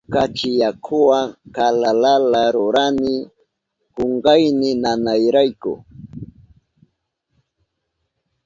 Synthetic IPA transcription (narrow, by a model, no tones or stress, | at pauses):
kat͡ʃɪjakʰʊwakalalalaɾʊɾanɪ | koɴɢɑjnɪnanajɾajkʊ̰